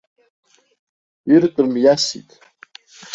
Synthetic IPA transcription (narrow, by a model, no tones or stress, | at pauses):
irkʼɨrmjasḭtʼ